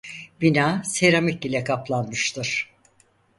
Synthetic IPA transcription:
b̥inaːseɾamik̚ilʲɛkʰaplˠanmɯʃt̪ʰɯɾ̥

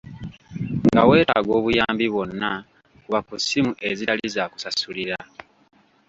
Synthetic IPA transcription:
ŋɡa̰we̞ːta̰ːɡo̞ːβujaːmbiβwo̞nːa | kuβakusimuʔeziɾalizaku̥sasuliɾa

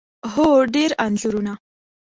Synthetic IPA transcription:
ɦoɖeɾanɮuɾuna

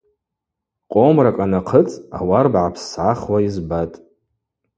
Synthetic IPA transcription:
qʼomrakʼanaqʰət͡sʼa̰warbʕapʰssʕaχwaizbatʼ

